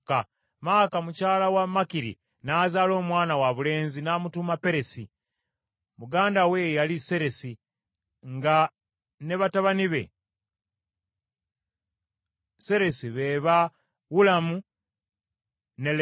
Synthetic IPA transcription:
ka | maːkamucaːlawamːakiɾḭ | nazaːlo̞ːmwaːnawaβule̞ːnzinaːmutumape̞ɾe̞si | muɡaːndawe̞jalise̞ɾe̞si | ŋɡa | ne̞βataβaniβe̞̰ | se̞ɾe̞siβeːβa | wulamu | ne̞l

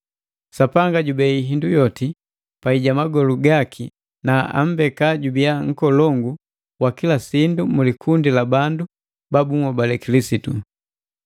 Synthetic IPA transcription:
sapaŋɡaɟubɛiɦindujɔti | paiɟamaɡɔluɡakʰi | naa̰m̩bɛkaɟubijaŋ̩kɔlɔŋɡu | wakilasindumulikʰundilabandu | babuŋɔbalɛkilisitu

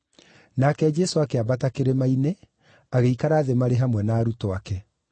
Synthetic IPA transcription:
nakɛd͡ʒɛsoakeabatakeɾemaine | aɣeikaɾaːðemaɾeɦamwɛnaːɾutoakɛ

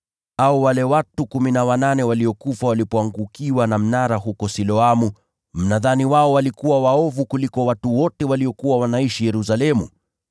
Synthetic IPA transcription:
auwalɛwatukuminawananɛwaliɔkufawalipɔaŋɡukiwanam̩naɾaɦukɔsilɔamu | m̩naðaniwaɔwalikuwawaɔvukulikɔwatuwɔtɛwaliɔkuwawanaiʃijɛɾusalɛmṵ

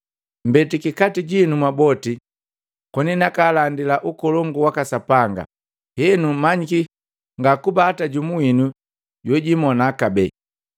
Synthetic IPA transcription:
m̩bɛtikikatiɟinumwabɔti | kɔninakalandilaʔukɔlɔŋɡuwakasapaŋɡa̰ | hɛnumaɲiki | ŋɡakubaːtaɟumuinu | ɟwɛɟimɔnakabɛ

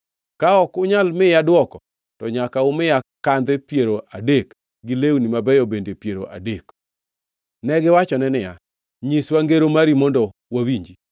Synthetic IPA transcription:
kaɔkʊɲalmɪjadwɔkɔ | tɔɲakaʊmɪjakand̪ɛpjeɾoʔadek | ɡɪlewnimabɛjɔbendepjeɾoʔa̰dek | nɛɡɪwat͡ʃɔnɛnɪja̰ | ɲiswaŋɡeɾomaɾimɔndɔwawiɲd͡ʒi

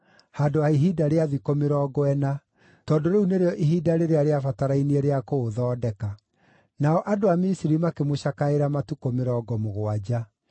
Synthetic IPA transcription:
haːdoaiɦidaɾeaðikomeɾɔːɡɔɛna | tɔːdoɾeuneɾeɔʔiɦidaɾeɾeaɾeafataɾainiɛɾeakoːðɔːdɛka | naɔʔadoamisiɾimakemoɕakaeɾamatukomeɾɔːɡɔmoɣwad͡ʑa

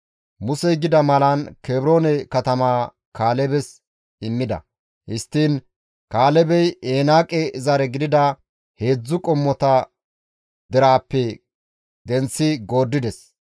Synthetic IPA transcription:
mʊsɛjɡɪd̪ɐmɐlɐnkeːbɾo̞ːnɛkɐt̪ɐmaː | kaːlɛbɛs | ɪmːɪd̪ɐ̰ | hɪst̪ːiːn | kaːlɛbɛjeːnaːkʼɛɪzɐɾɛɡɪd̪ɪd̪ɐ | he̞ːd͡zːʊkʼɔmːɔt̪ɐ | d̪ɛɾaːpːɛ | d̪ɛnt͡sːɪɡo̞ːd̪ːɪd̪ɛs

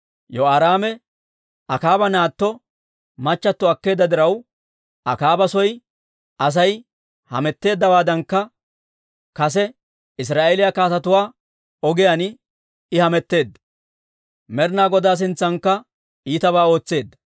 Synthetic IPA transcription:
jɔaːɾaːmɛ | ɐkaːbɐnaːt̪ːɔ | mɐt͡ʃːɐt̪ːɔɐkːe̞ːd̪ːɐd̪ɪɾɐw | ɐkaːbɐsɔj | ɐs̬ɐj | hɐ̰mɛt̪ːe̞ːd̪ːɐbaːd̪ɐŋkːɐ | kɐs̬ɛ | ɪs̬ɾaːʔelɪjakaːt̪ɐt̪ʊwaː | ɔɡɪjɐn | ɪhɐmɛt̪ːe̞ːd̪ːɐ | mɛɾnaːɡɔd̪aːs̬ɪnt͡sːɐŋkːɐ | iːt̪ɐβaːo̞ːt͡sːe̞ːd̪ːɐ

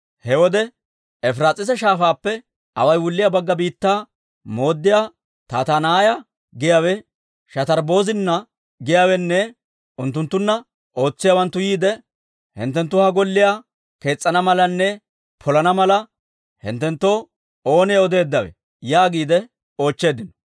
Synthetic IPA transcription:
hɛwɔd̪ɛ | ɛfɾaːt͡sʼːɪsɛʃaːfaːpːɛ | ʔɐwɐjwʊlːɪjaːbɐɡːɐbiːt̪ːaː | mo̞ːd̪ːɪjaː | t̪aːt̪anaːjɐ | ɡɪjaːwɛ | ʃɐt̪ɐɾbo̞ːzɪnːɐ | ɡɪjaːwɛnːɛ | ʊnt̪ːʊnt̪ːʊnːɐ | o̞ːt͡sːɪjawɐnt̪ːʊjiːd̪ɛ | hɪ̰nt̪ːɛnt̪ːʊhɐɡɔlːɪja | ke̞ːt͡sʼːɐnɐmɐlɐnːɛ | pʰɔlɐnɐmɐlɐ | hɪ̰nt̪ːɛnt̪ːoː | o̞ːneːɔd̪e̞ːd̪ːɐwɛ̰ | jaːɡiːd̪ɛ | o̞ːt͡ʃːe̞ːd̪ɪnɔ̥

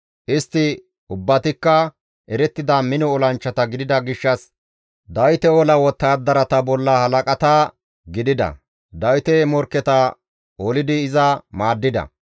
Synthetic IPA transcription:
ʔɪst̪ːɪ | ʊbːɐt̪ɪkːɐ | ʔɛɾɛt̪ːɪd̪ɐmɪnɔːlɐnt͡ʃːɐt̪ɐɡɪd̪ɪd̪ɐɡɪʃːɐs | d̪ɐjt̪ɛɔlɐwɔt̪ːaːd̪ːɐɾɐt̪ɐbɔlːɐhɐlɐkʼɐt̪ɐ | ɡɪd̪ɪd̪ɐ̰ | d̪ɐjt̪ɛmɔɾkːɛt̪ɐ | oːlɪd̪ɪːzɐmaːd̪ːɪd̪ɐ̰

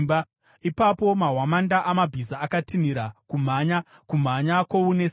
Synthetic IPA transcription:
ba | ipapo̞maɦwamandaʔamabʱizaːkatiniɾakum̤aɲa | kum̤aɲakwounes

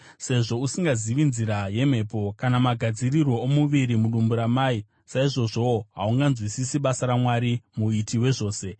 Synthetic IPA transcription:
se̞ʐo̞usiŋɡaziʋinziɾaje̞m̤e̞ːpo̞kanamaɡʱad͡zirirwo̞omuʋiɾimuɗumbuɾamai | saiʐo̞ʐo̞oɦauŋɡanzwisisiɓasaɾamwaɾimuitiwe̞ʐo̞ːse̞

